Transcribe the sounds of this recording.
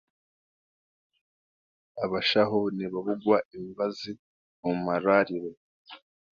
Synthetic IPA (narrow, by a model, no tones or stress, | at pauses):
aβaʃaɦoniβaβuɡwaimibazi | umaɾaɾiɾe